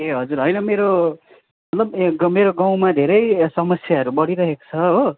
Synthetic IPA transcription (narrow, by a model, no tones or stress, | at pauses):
eɦʌd͡zuɾɦʌjnʌmeɾo | mʌt̪lʌbɡʌmeɾoɡaw̃mad̪ʱeɾʌjsʌmʌsjaʌɾubʌɽiɾʌɦeko̥t͡sʰʌɦo